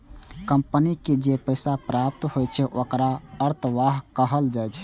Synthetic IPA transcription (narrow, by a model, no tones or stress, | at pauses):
kəmpəniked͡ʒepəɪsapɾap̚t̪hojt͡ʃʰɛʔokɾaəɾt̪ʰʋaɦkəɦəld͡ʒajt͡ʃʰ